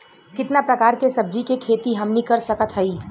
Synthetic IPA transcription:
kɪt̪napɾɐkaːɾkesɐb̚d͡ʒikekʰeːt̪iɦɐmnikɐɾsɐkət̪ɦɐiː

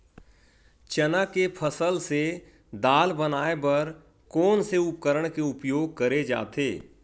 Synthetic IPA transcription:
t͡ʃənakepʰəsəlse | d̪aːlbənaːebɐɾ | kɔːnseʊp̚kəɾəɽ̃keʊpjoːɡ̚kəɾed͡ʒa̰ːt̪eː

